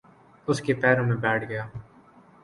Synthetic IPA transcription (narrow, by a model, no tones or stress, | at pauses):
ʊskepɛːɾõmẽbɛːʈʰɡɐjaː